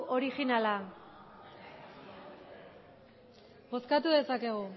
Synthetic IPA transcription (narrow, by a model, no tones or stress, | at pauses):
o̞ɾixinala | bo̞skat̪uðe̞sake̞ɣ̞u